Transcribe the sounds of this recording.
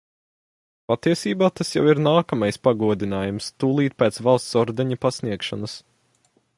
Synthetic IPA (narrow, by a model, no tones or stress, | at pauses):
pat̪iɛsiːbaːt̪asja̰wiɾnaːkamajspaɡuɔd̪inaːjumst̪uːlˠiːt̪̚pʲɛːt̪svalˠst̪sɔɾd̪ɛɲɐpasniɛkʃɔnɐs